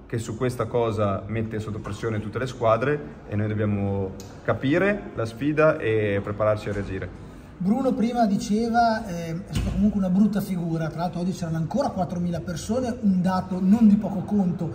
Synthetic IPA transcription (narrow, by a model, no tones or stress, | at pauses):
k̟esukːwest̪akɔːzamet̪ːesot̪ːopɾesːjoːnet̪ut̪ːeleskwaːd̪ɾe | ḛnojd̪objaːmo | kapiːɾelasfiːd̪aʔepːɾepaɾart͡ʃiaɾead͡ʒiːɾe | bɾuːnopɾiːmad̪it͡ʃeːvaɛɛst̪at̪akomuŋkweunabɾut̪ːafiɡuːɾat̪ɾalalt̪ɾoɔd͡ʒːit͡ʃɛːɾanoaŋkoːɾakwat̪ːɾomiːlapersoːneund̪aːt̪onond̪ipɔːkokont̪o